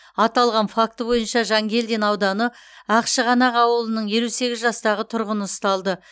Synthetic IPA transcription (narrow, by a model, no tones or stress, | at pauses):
ɑt̪ɑlˠʁɑnfak̚t̪əbo̞jənʃɑʒɑŋɡʲʰe̞ld̪e̞nɑwd̪ɑnə | ɑqʃəʁɑnɑqɑwəlˠənəɴje̞luse̞ɡʲɪzʒɑst̪ɑʁət̪ʰʊɾʁənəəst̪ɑlˠd̪ə